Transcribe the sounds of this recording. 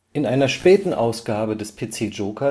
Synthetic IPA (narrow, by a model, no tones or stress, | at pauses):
ʔɪnʔaɪnɐʃpɛːtn̩ʔa̰ʊsɡ̥aːbədɛspʰeːt͡seːd͡ʒoːkʰɐ